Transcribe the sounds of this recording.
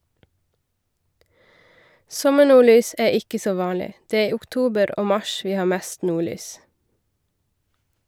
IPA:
ˈsɔməˌɳuːˌɭyːs ˈæː ˈɪkə ˈsoː ˈʋɑːlɪ ˈdeː ˈeː ˈiː ʊkˈtuːbəɾ ˈoː ˈmɑʃ ˈʋiː ˈhɑː ˈmeːst ˈnuːˌɭyːs

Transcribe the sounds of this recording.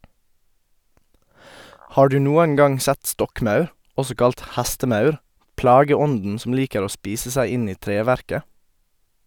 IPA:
ˈhɑː ˈɖʉː ˈnuːəŋ ˈɡɑŋ ˈsɛt ˈstɔkˌmɑʉɾ ˈɔsɔ ˈkɑlt ˈhæstəˌmɑʉɾ ˈplɑːɡəˌɔndn̩ ˈsɔm ˈliːkəɾ ˈoː ˈspiːsə ˈsæɪ ˈɪn ˈiː ˈtɾeːʋæɾkə

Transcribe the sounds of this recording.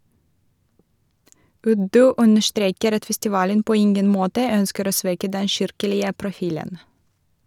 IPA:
ˈʉdʉ ˈʔʉnəʃˌtɾeːkəɾ ˈɑt fɛstɪˈʋɑːlən ˈpoː ˈɪŋɡən ˈmoːtə ˈœnskəɾ ˈoː ˈsʋɛkə ˈdɛ ˈʃɪɾkəlɪə pɾʊˈfiːlən

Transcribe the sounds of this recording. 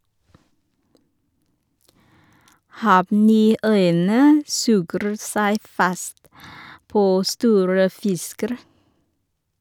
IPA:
ˈhɑːʋˌniːˌœʏənə ˈsʉːɡɾ̩ ˈsæɪ ˈfɑst ˈpoː ˈstuːɾə ˈfɪskəɾ

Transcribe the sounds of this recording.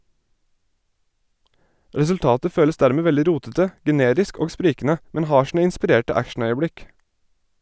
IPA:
ɾɛsʉlˈtɑːtə ˈføːləs ˈdæːɾmeː ˈʋɛldɪ ˈɾuːtətə ɡɛˈneːɾɪsk ˈoːɡ ˈspɾiːkn̩ə ˈmɛn ˈhɑː ˈʃɳ̩ə ɪnspɪˈɾeːʈə ˈækʃɳ̩ˌœʏəˌbɽɪk

